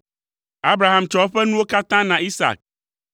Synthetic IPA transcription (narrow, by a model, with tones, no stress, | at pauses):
a˦bɾa˨ɦã˨mt͡ʃɔ˨˦ɸɛ˦nũ˦wo˦ka˦t̪ã˦nã˨ʔi˦sa̰˨k̚